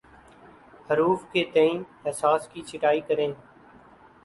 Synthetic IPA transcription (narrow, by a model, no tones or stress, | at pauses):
həɾuːfkeːt̪eĩːɛsaːskiːt͡ʃʰɪʈaːiːkəɾẽː